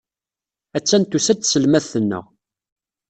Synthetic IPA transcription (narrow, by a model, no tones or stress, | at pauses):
æt͡sːænt̪usæt̪səlmæθənːə̰ʁ